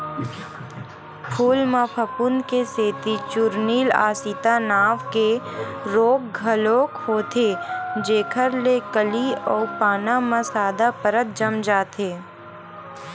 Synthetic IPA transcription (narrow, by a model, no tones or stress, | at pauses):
pʰuːlmapʰəpʊnkeseːt̪it͡ʃʊɾniːla̰ːsit̪anaːʋkeɾoːk̚ɡʱəloːkhoːt̪ed͡ʒeːkʰəɾlekəliɔːɾpaːnamãsaːd̪apəɾət̪̚d͡ʒəmd͡ʒaːt̪ʰeː